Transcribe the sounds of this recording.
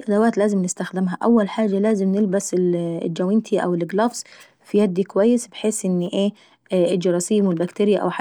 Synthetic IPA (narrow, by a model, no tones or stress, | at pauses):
ʔad̪awaːt̪laːzɪmnɪst̪axd̪ɪmɦaʔawːalħaːd͡ʒːalaːzɪmnɪlbasɪl̰ld͡ʒawɪnt̪ʰiʔa̰wɪlɪɡlɑːfs | fijad̪ːikʊwajːɪsbɪħeːsʔɪnːiʔeː | ʔɪd͡ʒɑɾˤɑsiːmwɪlbakt̪ɪːɾɪjaʔa̰wħa